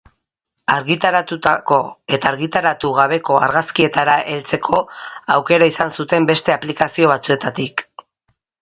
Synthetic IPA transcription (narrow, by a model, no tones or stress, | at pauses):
aɾɣit̪aɾat̪ut̪ako̞e̞t̪aːɾɣit̪aɾat̪uɣ̞aβ̞e̞ko̞a̰ɾɣaskie̞t̪aɾaʔe̞lt͡se̞kʰo̞awke̞ɾaisansut̪e̞mbe̞st̪e̞aplikasio̞β̞at͡sue̞t̪at̪ik